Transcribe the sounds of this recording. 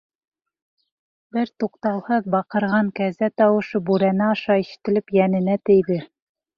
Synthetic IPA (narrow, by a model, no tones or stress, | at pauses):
bɘɾt̪uqt̪ɑw̪ˠhɤðbɑqɤ̆ɾʁɑŋkæzæt̪ɑwɤ̆ʃɤbuɾænæɑʃɑiʃɘ̥̆t̪ɘ̆lɘpjænɘ̆næt̪ɘ̆jðɘ